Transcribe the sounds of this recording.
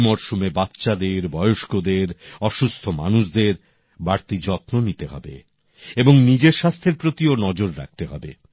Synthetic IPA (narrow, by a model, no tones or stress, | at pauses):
mɔɾʃumebat̪ːɕad̪eɾbɔeoʃkod̪eɾɔʃust̪ʰoma̰nuʃd̪eɾ | baɾt̪id͡ʑɔt̪nonit̪eɦɔ̰bḛ | eboŋnid͡ʑeɾʃast̪ʰeɾpɾot̪ionɔd͡ʑoɾɾa̰k̚t̪eɦɔ̰bḛ